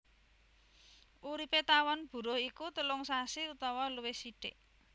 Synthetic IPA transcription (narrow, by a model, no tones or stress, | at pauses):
ʔuɾipet̪awɔnb̥ṳɾʊhikut̪əlʊŋsasiut̪ɔwɔluwɪhsiɖ̥ɪʔ